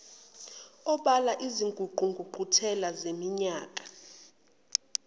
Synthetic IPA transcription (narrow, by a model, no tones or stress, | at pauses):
ɔɓalaʔiziŋɡʱuǃuŋɡʱuǃʱutʰɛlazemiɲaːkʼḁ